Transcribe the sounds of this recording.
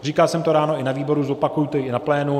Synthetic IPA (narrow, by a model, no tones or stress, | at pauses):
riːkalsɛmt̪oɾaːno̞ɪnaviːbo̞ɾuzopakujut̪ɛjiɪnaplɛːnu